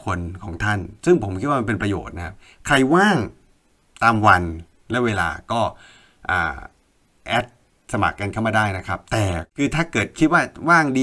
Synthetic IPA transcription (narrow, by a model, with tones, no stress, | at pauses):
kʰo˧nkʰɔː˩˦ŋt̪ʰa˥˩nsɯ˥˩ŋpʰo˩˦mkʰi˦˥waː˥˩a˧npe˧npɾa˧jo̰ː˨˩t̪̚na˦˥kʰa˦˥p̚ | kʰɾa˧jwaː˥˩ŋ | t̪aː˧mwa˧n | lɛ˦˥weː˧la̰ː˧kɔː˥˩ | ʔa̰ː˨˩ | ʔɛː˦˥t̪̚ | sa˧ma̰˨˩kːa˧nkʰa˥˩maː˥˩daː˥˩jna˦˥kʰa˦˥p̚t̪ɛː˨˩kʰɯː˧t̪ʰaː˥˩kɤː˨˩t̪̚kʰi˦˥t̪̚waː˥˩waː˥˩ŋdiː˧